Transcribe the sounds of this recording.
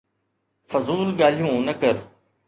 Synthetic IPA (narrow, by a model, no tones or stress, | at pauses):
fɐzuːlɠaːl̤jũːnəkəɾ